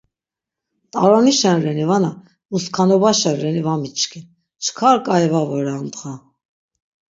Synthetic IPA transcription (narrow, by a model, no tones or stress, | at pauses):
t̪ʼɑɾɔniʃɛnɾɛnivana | uskʰɑnɔbaʃɛnɾɛnivamit͡ʃʰkʰin | t͡ʃʰkʰɑɾkʼɑjɛvavɔɾant̪χa